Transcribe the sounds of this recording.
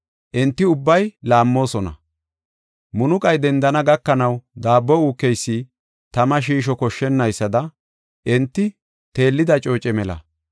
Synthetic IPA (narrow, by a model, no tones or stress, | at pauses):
ʔɛnt̪ːɪʊbːɐjlaːmːo̞ːsɔnɐ̰ | mʊnʊkʼɐjd̪ɛnd̪ɐnɐɡɐkːɐnɐwd̪aːbːɔuːkːɛjsːiː | t̪ɐmɐʃ̬iːʃ̬ɔkɔʃːɛnːɐjsːɐd̪ɐ | ʔɛnt̪ːɪ | t̪e̞ːlːɪd̪ɐt͡ʃʼo̞ːt͡ʃʼɛmɛlɐ̰